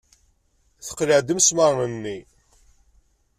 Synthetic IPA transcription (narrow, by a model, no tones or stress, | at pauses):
θə̥qːləʕd̪əmsməɾnənːi